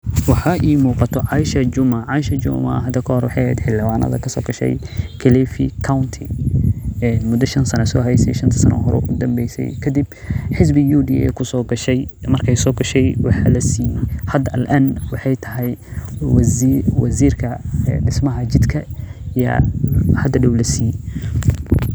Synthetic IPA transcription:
wɑħɑʔiːmuːqɑt̪ʰɔʕɑɪʃɐd͡ʒʊmɐʕɑɪʃɐd͡ʒʊ̰mɐ̰ɦɐd̪ɐkʰɐɦhɔɾwɑħɑjhɛ̰ːd̪ħɪlːɪwaːnɐ̰ðɐ̰kʰɐsɔ̰ːɡɐʃɛ̰jkʰɐlɛfikʰawnt̪ʰɪ | ɛmʊd̪ɐʃɐnsɐnɐsɔɦɛjsɛ̰jʃɐnt̪ʰɐ̥sɐnɐ̰ɦɔɾɔ̰ːʔʊd̪ɐmbɛjsɛ̰jkʰɐd̪ib | ħɪs̬bɪjuːd̪ḭɛ̰ːkʰʊsɔːɡɐʃɛjmɐrkʰɛjsɔːɡɐʃɛjwɑħɑlɐsiːhɐd̪ɐɐlʔɐnwɑħɑjt̪ʰɐɦɛj | wɐsiːrkʰɐɖɪsmɐɦɐt͡ʃɪd̪kʰɐjɐ̰hɐd̪ɐɖɐwlɐsiː

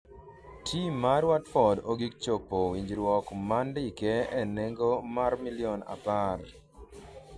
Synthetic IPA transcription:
tʰimːaɾwatfɔdoɡik̚t͡ʃopːowiɲd͡ʒɾwɔkmandɪkɛɛneŋɡomarmiliɔna̰par

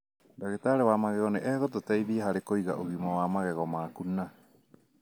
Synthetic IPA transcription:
daɡetaɾewamaɡeɣoneʔeɡot̪̬otejbiaɦaɾekojɡa̰ʔuɡimowamaɡeɡomakuna

